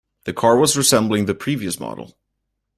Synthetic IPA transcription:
ðɨkʰɑɹwʌzɹɨsɛ̃mblˠɪ̃ŋðɨpʰɹ̥iviɨsmɑ̰ɾl̩ˠ

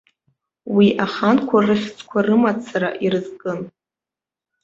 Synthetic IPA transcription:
wiʔaχankʷʰarɨχʲt͡sʰʼkʷʰarɨmat͡sʰaɾaʔirɨzkʼɨn

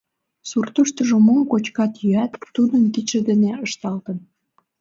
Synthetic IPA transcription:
surt̪əʃt̪əʒomomkot͡ɕkɑt̪jyæt̪ːud̪ənk̪it͡ɕə̆d̪eneəʃt̪ɑlt̪ə̆n

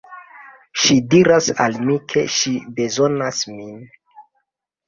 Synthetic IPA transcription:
ʃidiɾasa̰lmikʰe̞̰ʃibe̞zo̞nasmin

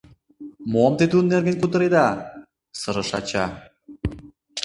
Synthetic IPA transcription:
momt̪et̪unːerɡenkut̪ə̆ɾed̪ɑ | sɤɾə̆ʃɑt͡ɕɑ̰

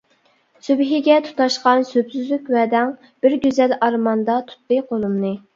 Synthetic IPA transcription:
sybɦiɡʲɛt̪ʰu̥t̪ɑʃqɑnsøbsyzlykʲwɛd̪ɛŋ | b̥ɪɾɡʲøzɛlɑɾmɑnd̪ɑt̪ʰu̥t̪ːɨqʰolˠumnɨ

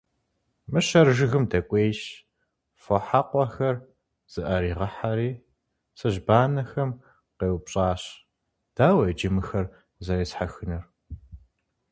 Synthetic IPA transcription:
mɨɕɐrʒɨɣɨmdɐkʷʼeːʃ | fɔħaqʷʼɔxɐr | z̥ɨʔɐɾiːʁɐħaɾiː | sɐʑbaːnɐxɐm | qeːwpɕʼaːɕ | d̥aːwɐd͡ʒɪmɨxɐr | zɐɾeːsħaxɨnɨr

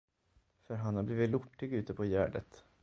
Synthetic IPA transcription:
fœɾɦanhaɾbliːvɪt̪lʊʈːɪɡʉ̟ːt̪əpʰɔjæ̰ːɖə̰t̪

